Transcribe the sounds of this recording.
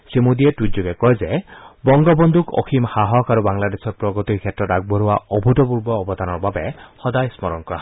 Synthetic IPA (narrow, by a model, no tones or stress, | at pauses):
simud̪iɛtutzuɡɛkɔjzɛbɔŋɡɔbɔnd̪ukɔ̰xʰimhaɦɔkaɾubaŋlad̪esɔtpɹɔɡɔt̪ikʰjɛtɹɔtaɡ̚bɔɾuwaɔbʱutɔpuɹbɔːbɔd̪anɔɹbabɛhɔd̪ajsmɔɾɔŋkɔɹa